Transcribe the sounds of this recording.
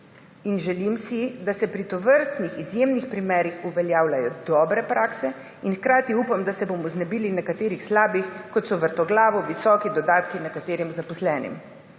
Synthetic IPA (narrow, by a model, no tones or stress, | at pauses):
inʒɛlimsid̪asɛpɾit̪ɔʋəɾst̪nixizjemnixpɾimɛːɾixuʋɛljaːwlajɔd̪ɔːbɾɛpɾaːksɛ | inxkɾaːt̪iuːpamd̪asɛbomɔznɛbiːlinɛkat̪eːɾixslaːbixkɔt̪sɔʋəɾt̪ɔɡlaːʋɔʋisɔːkid̪ɔd̪aːt̪kinɛkat̪eːɾimzapɔslɛːnḭm